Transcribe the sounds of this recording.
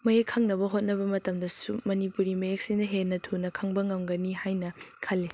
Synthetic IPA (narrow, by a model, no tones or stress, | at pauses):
mɐjekʰːɐŋnɐbɐɦot̚nɐbɐmɐtɐmdɐsumɐnipuɾimɐjek̚sinɐɦenːɐtʰunɐkʰɐŋbɐŋɐmɡɐnihajnɐkʰɐlːi